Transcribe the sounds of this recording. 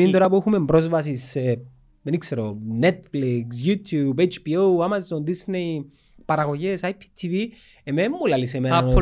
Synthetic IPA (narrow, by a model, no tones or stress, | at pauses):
int̪o̞ɾɐpuexume̞mbɾo̞zvɐsisːe | enikseɾone̞t̪fliks̬jut̪ʰjubet͡ʃpioamazond̪isnei | pɐɾɐɣoʝesajpʰi̥t̪ʰivi | ememːulɐlisemeno